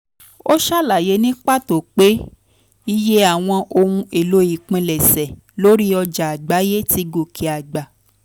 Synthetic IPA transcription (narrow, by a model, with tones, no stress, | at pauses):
o˦ʃa˦˨la˨je˨˧˦nĩ˦k͡pa˦˨to˨k͡pe˦ | i˧je˦a˦˨w̃ɔ̃˧ʔo˧ũ˧e˨lo˨˦i˦˨k͡pĩ˨˧lɛ˨sɛ˨ | lo˦ɾi˦ɔ˧d͡ʒa˨a˨ɡ͡ba˨˦je˦ti˧ɡo˨kʰi˨a˨ɡ͡ba˨